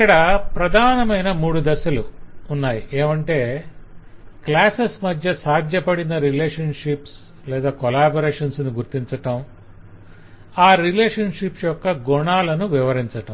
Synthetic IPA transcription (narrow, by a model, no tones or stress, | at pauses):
kːɐɽɐpɾɐd̪ʱaːnɐmɐjnɐmuːɽud̪ɐsɐluːnːaːjiʔeːmɐɳʈe̞ː | klaːsesmɐd̪ʱjɐsaːd̪ʱjɐpɐɽinɐɾileːʂɐnʂips | lɛːd̪aːkolaːboɾeːʂɐnsniɡuɾt̪iɲt͡ʃɐʈɐm | aːɾileːʂɐnʂipsjɔkːɐɡuɳaːlɐnuʋiʋɐɾiɲt͡ʃɐʈɐm